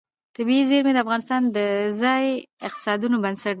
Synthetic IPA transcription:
t̪abiizeɾmed̪əafɣɑnɪst̪ɑnd̪əzɑjɪq̚t̪ɪ̥sɑd̪unobansaʈ̚

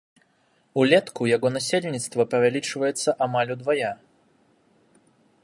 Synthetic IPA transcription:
ulʲɛt̪kujaɣɔnasʲelʲnʲit̪st̪vɐpɐvʲalʲit͡ʂvɐjɛt̪sːɐʔamalʲud̪vaja

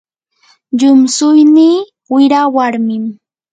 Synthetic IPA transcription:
ʎʊmsʊjniː | wɪɾawaɾmɪm

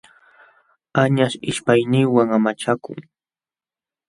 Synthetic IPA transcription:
aɲaʃɪʃpajnɪwaŋamat͡ʃakʊ̰ŋ

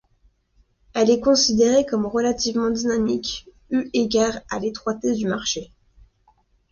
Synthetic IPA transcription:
ɛlɛkɔ̃sid̪eʁekɔmʁəlat̪ivmɑ̃d̪inamik | yʔeɡʲaʁa̰let̪χwat̪ed̪ymaʁʃe

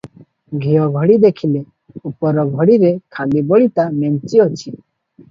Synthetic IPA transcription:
ɡʱijɔɡʱɔɽid̪ekʰile | upɔɾɔɡʱɔɽiɾekʰalibɔɭit̪ament͡ʃiɔt͡ʃʰi

